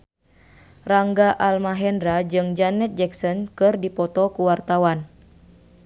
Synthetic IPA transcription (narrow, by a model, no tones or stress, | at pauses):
raŋɡaʔalmaɦɛndɾad͡ʒɨŋd͡ʒanɛt̪̚d͡ʒɛksɔnkɨrdipɔt̪ɔkuwart̪awan